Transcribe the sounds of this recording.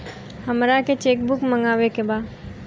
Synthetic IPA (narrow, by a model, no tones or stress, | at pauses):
həmɾaket͡ʃeːkbʊkmə̃ŋɡaːʋekebaːd